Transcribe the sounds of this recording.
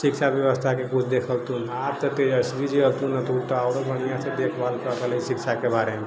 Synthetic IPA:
sikʃʰabjəʋəst̪ʰakekut͡ʃʰd̪ekʰəlt̪unaːp̚t̪ət̪eəsbid͡ʒiəlt̪unət̪uɾt̪ɔaːɾobəɽ̃ijased̪ekʰbalkəkələisikʃʰakebaɾeme

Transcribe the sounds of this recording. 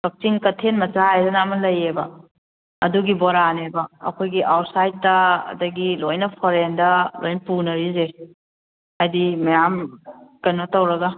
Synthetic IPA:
dɔk̚tiŋkɐtʰenmɐt͡ʃaajdɐnamɐlɐjebɐ | ɐ̰duɡibɔɾanebɐɐ̰kʰojɡiʔawt̚sajttːɐɐ̰dɐɡilojnɐpʰɔɾendɐlo̰jnpunɐɾize | ajdimɐjamkɐnmɐtɐwɾɐɡɐ

